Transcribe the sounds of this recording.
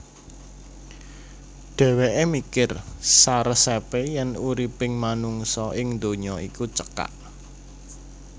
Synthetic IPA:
ɖ̥ɛ̤weʔemikɪrsaɾəsepejɛnuɾipɪŋmanuŋsɔʔɪŋnd̪oɲɔikut͡ʃəka̰ʔ

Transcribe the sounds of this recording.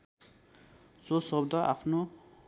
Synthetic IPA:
sosʌbd̪ʱʌʔapʰno

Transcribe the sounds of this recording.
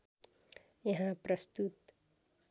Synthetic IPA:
jɐɦãpɾʌst̪ut̪

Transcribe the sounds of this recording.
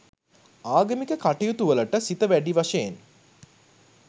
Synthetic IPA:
aːɡəmikəkaʈejut̪uʋələʈəsit̪əʋæɖiʋaʃejen

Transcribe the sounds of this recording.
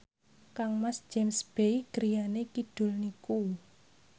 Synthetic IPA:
kaŋmasd͡ʒ̥emsb̥ejɡ̥əɾijanekid̥ʊ̤lniku

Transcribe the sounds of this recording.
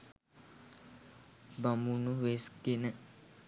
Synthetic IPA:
bamunuʋesɡenə

